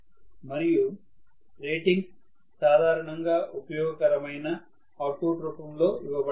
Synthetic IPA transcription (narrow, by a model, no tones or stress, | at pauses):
mɐɾiju | ɾeːʈiŋɡ | saːd̪ʱaːɾɐɳɐŋɡaːupɐjɔːɡɐkɐɾɐmɐjnɐ | aːʈoːʈɾupɐmlo̞ːiʋɐbɐ